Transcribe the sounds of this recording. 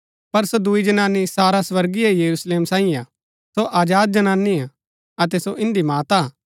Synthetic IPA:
pɐɾsod̪ʊid͡ʒɐnaːnːisaːɾaswɐɾɡiejɐɾusleːmsãːĩa | soʔaːd͡ʒaːd̪̚d͡ʒɐnaːnːia | ɐt̪̬ɛsoʔɪ̃nd̪imaːt̪aː

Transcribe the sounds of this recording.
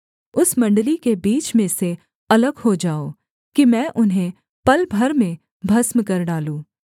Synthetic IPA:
ʊsmɐ̃ɳɖlikebiːt͡ʃmẽse | ɐləɡɦod͡ʒaːo | kimɛ̃ːʔʊnɦẽ | pɐlbʱɐɾmẽ | bʱɐsmkɐɾɖaːlũː

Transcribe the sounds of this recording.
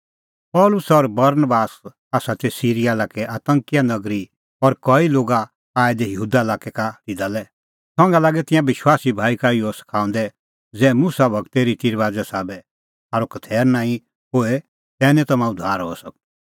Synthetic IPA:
pɔːlʊsɔɾbɐɾnbaːs | aːsat̪ɛsiːɾijalaːkɛʔaːt̪ə̃ŋkijanɐɡɾi | ɔɾkɔiloːɡa | aːɛd̪ɛjəɦuːd̪aɪlaːkɛkaɾid̪alɛ | t̪ʰɔ̃ŋɡalaːɡɛt̪ɪ̃jãʋɪʃwaːsibʱaːikaiɔsɐ̥kʰaːũnd̪ɛ | d͡zɛːmusabʱɐkt̪eɾit̪iɾʋaːd͡zɛsaːbɛ | aːɾokɐt̪ʰɛːɾnãːĩ | ɦoːe | t̪ɛːnɛ̃t̪ɐmãʊd̪ʱaːɾɦoɛsɐk̚

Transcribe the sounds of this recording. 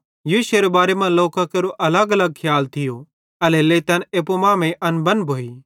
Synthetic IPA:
juːʃeɾebaːɾemɐ̃nloːkakeɾoʔɐləɡɐləɡ̚kʰjaːlt̪ʰɪjo | ɐleleːt̪ɐneːpomãːmẽʔɐnbɐ̃nbʱoːiː

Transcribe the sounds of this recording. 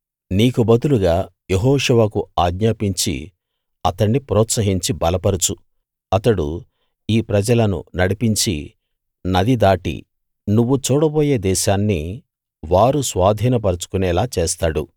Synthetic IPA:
niːkubɐd̪uluɡaː | jeɦɔːʃuʋɐkuaːɡɲaːpiɲt͡ʃḭ | ɐt̪ɐɳːipɾɔːt̪sɐɦiɲt͡ʃibɐlɐpɐɾut͡ʃu | ɐt̪ɐɽṵ | iːpɾɐd͡ʒɐlɐnṵnɐɽipiɲt͡ʃḭ | nɐd̪id̪aːʈḭ | nuʋːut͡ʃuːɽɐboːjeːd̪ɛːʃaːnːi | ʋaːɾusʋaːd̪ʱiːnɐpɐɾut͡ʃu̥kunɛːlaːt͡ʃeːst̪aːɽṵ

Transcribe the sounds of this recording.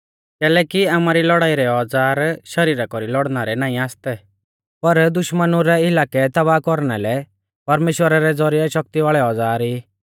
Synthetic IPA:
kɛːlɛːkiaːmaːɾilɔɽaːiɾɛɔd͡zaːɾʃɐɾiːɾakɔɾilɔɽnaɾɛnaːĩaːst̪ɛ | pɐɾd̪ʊʃmənuɾɛɪlaːkɛt̪ɐβaːkɔɾnɛlɛ | pɐɾmeːʃwəɾaɾɛd͡zɔɾiɛʃɔk̚t̪iʋaːɭɛɔd͡zaːɾiː

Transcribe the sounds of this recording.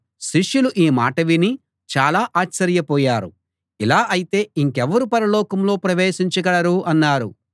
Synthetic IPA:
ʃiʂjuluʔiːmaːʈɐʋini | t͡ʃaːlaːʔaːt͡ʃːɐɾjɐpɔːjaːɾṵ | ilaːʔɐjit̪e̞ːiŋkɛʋɐɾupɐɾɐlɔːkɐmlo̞ːpɾɐʋeːʃiɲt͡ʃɐɡɐɽɐɾuʔɐnːaːɾṵ

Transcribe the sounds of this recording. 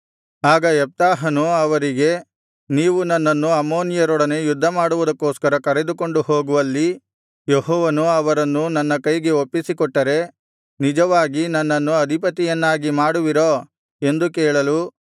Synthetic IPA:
aːɡɐɛp̚t̪aːɦɐnuɐʋɐɾiɡe̞ | niːʋunɐnːɐnːuɐmːoːnijɐɾɔːɽɐne̞jud̪ʱːɐmaːɽuʋud̪ɐkːoːskɐɾɐkɐɾe̞d̪uko̞ɳɖuhoːɡuʋɐlːi | jeɦɔːʋɐnuɐʋɐɾɐnːunɐnːɐkɐjɡe̞opːisikɔʈːɐɾe̞ | nid͡ʒɐʋaːɡinɐnːɐnːuɐd̪ʱipɐt̪ijɐnːaːɡimaːɽuʋiɾo | e̞nd̪ukɛːɭɐlu

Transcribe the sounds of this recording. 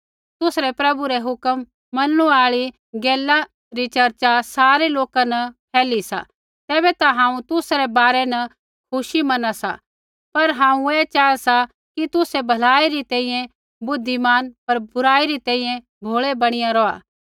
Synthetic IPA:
t̪ʊsɾɛpɾɐbuɾɛɦʊkəmː | ɐnɽ̃ũaːɭi | ɡɛːla | ɾit͡ʃɐɾt͡ʃasaːɾeloːkanɐpʰɛːlisa̰ | t̪ɛːbɛt̪aɦãːũt̪ʊsɾɛbaːɾɛnɐ | kʰʊʃimɐnasa̰ | pɐɾɦãːũeːt͡ʃaːasa | kit̪ʊsebʱɐlaːiɾit̪ɛ̃ːĩjɛ̃ | bʊd̪ʱːimaːnpɐɾbʊɾaːiɾit̪ɛ̃ːĩːjɛ̃ | bʱoːɭebɐɽ̃ɪjãɾɔːa̰ː

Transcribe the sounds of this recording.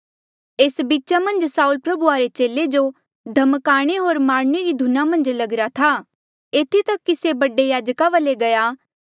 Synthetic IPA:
eːsbiːt͡ʃamɐ̃nd͡ʒsaːulpɾɐbuaːɾet͡ʃeːled͡ʒo | d̪ʱɐmkaːɽ̃eɦoːɾmaːɾneɾid̪ʱʊnamɐ̃nd͡ʒlɐɡɾat̪ʰa | eːt̪ʰit̪ɐkːisebɐɖejaːd͡ʒkaʋəleɡɐjaː

